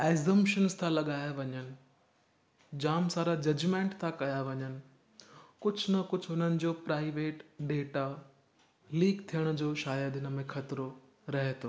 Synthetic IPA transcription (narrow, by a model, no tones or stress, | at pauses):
eːzə̃mpʃənzt̪ʰãlɐɠaːeʋɐɲənɪ̆ | d͡ʑaːmsaːɾad͡ʑɐd͡ʑmẽːɳʈt̪ʰãkɐjaʋɐɲənɪ̆ | kʊd͡ʑʱʊnɐkʊd͡ʑʱɦʊn̤ənɪ̆d͡ʑoːpɾaːɪʋeːʈɖeːʈa | liːkt̪ʰijəɽ̃d͡ʑoːʃaːjad̪ɪnəmẽxʰɐt̪ɾo | ɾɐɦet̪ʰoː